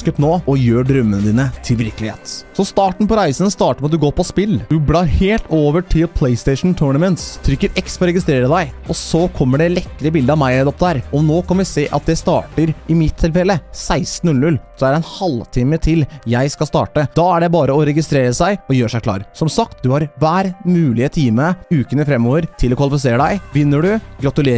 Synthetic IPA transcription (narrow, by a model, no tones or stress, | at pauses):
kəpnoːɔjøːɖɾœmːənəd̪iːnət̪ʰɪlʋɪɾkəlɪhḛːt̪sɔst̪ɑːʈɳ̩pɔɾæɪsənst̪ɑːʈəɾmɛɑt̪d̪ʉɡoːɾpʰɔspɪlːd̪ʉblɑːɾheːlt̪ʰoːʋəʈʰɪlpʰlɛɪst̪ɛɪʂn̩t̪ʰuːɳɑmɛnt̪st̪ʰɾʏkːəɾɛkst̪ɾɑɾɛɡɪst̪ɾeːɾəd̪æɪʔɔsɔkʰɔmːəɖɛlɛkːəɾɪəbɪld̪əɑʋmæɪɛd̪ɔp̚d̪əæɾɔnoːkʰɑnʋɪseːʔɑ̰t̪̚d̪ɛst̪ɑ̰ːʈəɾɪmɪt̪ʰːɪlfɛlːəsæɪst̪n̩ʉlnʉlsɔɛæɾɾɛnhɑlt̪ʰiːmət̪ʰɪljæɪskɑst̪ɑ̰ːʈəd̪ɑːæɖɛbɑːɾəɔɾɛɡɪst̪ɾeːɾəsæɪɔjøːʂæɪkʰlɑ̰ːɾsɔmsɑk̚t̪d̪ʉhɑɾʋæːɾmʉːlɪət̪ʰiːməʉːkənəfɾɛmːoːʋəɾt̪ʰɪlɔkʰʋɑlɪfɪseːɾəɖ̪æɪʋɪnːəɖʉɡɾɑt̪ʉleː